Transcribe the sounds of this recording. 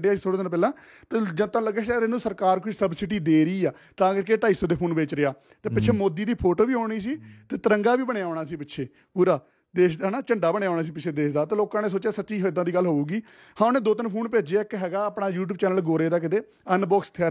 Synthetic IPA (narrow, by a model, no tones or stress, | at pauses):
ɖɪjaːsiːt̪ʰoːɽeːt̪ɪnpɛːlãː | t̪eːd͡ʒət̪ãːləɡeːsːɾɪnːũːsəɾkaːɾkʊʃsəbsɪʈiːd̪eːɾəiːaː | t̪ãːɡəɾkeʈaːisõːd̪eːpʰoːnbeːt͡ʃɾɪjaː | t̪eːpɪtːʃʰeːmoːd̪iːd̪iːpʰoːʈoːʋiːɦoːɽ̃iːs̬iːt̪eːt̪əɾəŋɡaːʋiːbəɳeaːɳaːsiːpɪtːʃʰeː | puːɾaː | d̪eːʃd̪aɦnaːt͡ʃəɳɖaːbəɳejaːɳaːs̬iːpɪt͡ʃʰeːd̪eːʃd̪aːt̪eːloːkãːneːs̬oːt͡ʃjaːsətːʃiːɦod̪ãːd̪iːɡəlːɦoːuːɡiː | hãːnẽːd̪oːt̪ɪnpʰuːnpeːd͡ʒeɪkɦɛːɡaːpɳaːjuːʈ̬uːbt͡ʃɛːnəlɡoːɾeːd̪aːk̬ɪt̪eː | ənbɔːkst̪ʰaː